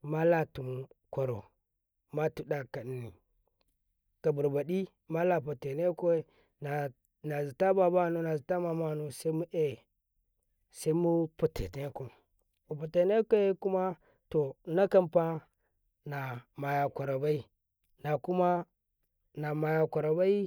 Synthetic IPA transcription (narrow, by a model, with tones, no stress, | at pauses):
ma˦la˨tu˨mkʷa˨ɾo̰˨ | ma˦tu˨ɗa˦˨ka˨ni˨ | ka˨bu˨ɾba˨di˦ | ma˦la˦p̬u˨te˨ne˦ko˦ | n˨ | na˨zi˨ta˦ba˨ba˦˨nu˦na˨zi˨ta˦ma˨ma˦˨nu˨sa˦i˦mu˦ʔe˦˨ | sa˦i˦mu˦pu˨tʰḛ˨ne˦ko˨ | u˨pu˨te˨ne˦ko˦e˦ku˦ma˦ | to˨na˦ka˦mpa˦ | na˨ma˨ja˨kʷa˨ɾo˨ba˦i˦ | na˨ku˦ma˦ | na˨ma˨ja˨ka˨ɾo˨ba˦i˦